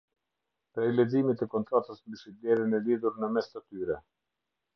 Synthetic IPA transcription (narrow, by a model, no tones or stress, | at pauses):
pɾɛlɛzimit̪ɛkɔnt̪ɾat̪əsmbiʃid̪ɛɾənɛliðuɾnəmɛst̪ət̪yɾɛ